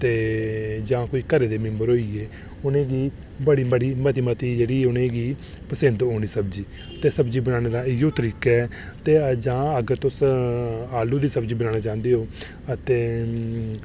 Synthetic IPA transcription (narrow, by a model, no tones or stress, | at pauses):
t̪eːd͡ʒãːkoiːkəɾeːd̪eːmɪ̃mbəɾɦoːiːeː | ʊnẽːɡiː | bəɽiːməɽiːmət̪imət̪iːd͡ʒeːɽiːʊnẽːɡiː | pəsɪnd̪ɦoːñiːsəbd͡ʒiː | ət̪eːsəbd͡ʒiːbənaːneːd̪aːɪjoːt̪əɾiːkɛː | t̪eːd͡ʒãːəɡəɾt̪ʊs | aːluːd̪iːsəbd͡ʒiːbənaːnaːt͡ʃãːnd̪eːɦoː | ət̪eː